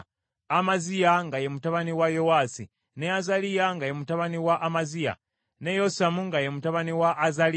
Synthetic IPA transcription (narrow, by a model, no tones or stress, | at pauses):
amazijaŋɡajemutaβaniwajo̞wasi | neazalijaŋɡajemutaβaniwaʔːmazija̰ | ne̞josamuŋɡajemutaβaniwaʔːzali